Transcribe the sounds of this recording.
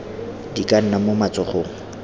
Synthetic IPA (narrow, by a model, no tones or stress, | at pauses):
dikʼan̩namomat͡sʊχoːŋ̩